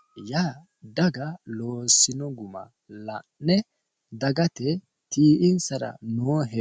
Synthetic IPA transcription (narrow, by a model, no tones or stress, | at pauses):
jaː | d̪ɐɡɐlo̞ːsːɪnɔɡʊmɐ̰ | lɐnːɛ | d̪ɐɡɐt̪ɛ | t̪iːʔɪnsɐɾɐ̰noːɦɛ